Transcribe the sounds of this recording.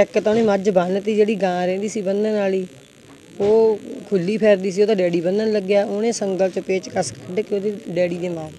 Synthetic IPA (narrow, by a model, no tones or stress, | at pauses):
ɛkt̪aːnẽːməɾd͡ʒbaːnt̪iːd͡ʒeːɽiːɡãːɾɛ̃ːnd̪iːsiːbənd̪ənaːliː | oːkʰʊlːiːpʰɛːɾd̪iːs̬iːoːd̪ãːɖɛːɽiːbənd̪ənləɡjaːonẽːsəŋɡəlt͡ʃəpeːt͡ʃkəskəɖkeoːd̪eɖɛːɽiːd̪eːmaːɾ